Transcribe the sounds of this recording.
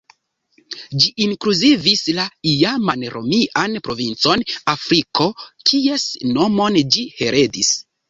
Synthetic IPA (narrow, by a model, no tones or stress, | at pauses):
d͡ʒiʔiŋkluzivislaijamanɾo̞̰miʔanpɾo̞vint͡so̞nafɾiko̞kʰie̞sno̞mo̞nd͡ʒihe̞ɾe̞dis